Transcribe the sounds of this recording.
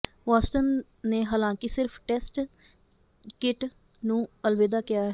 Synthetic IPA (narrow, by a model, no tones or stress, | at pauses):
ʋaːsʈənː | eːɦəlãːŋkisɪɾpʰʈɛːsʈ | kɪʈ | nũːəlʋeːd̪aːkɪjaːɦɛ